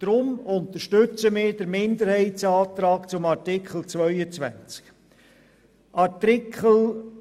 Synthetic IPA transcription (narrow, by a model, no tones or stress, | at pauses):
d̥ɾʊmʊnt̪əɾʃtʏt͡səmɪːɾd̥əɾmɪnd̪əɾhɛɪtsɑːt̪ɾɑːkt͡sʊmɑɾtɪkχl̩ˠt͡sʋœʏət͡sʋæ̰nt͡sk | ʔɑtɪkʰχəl̩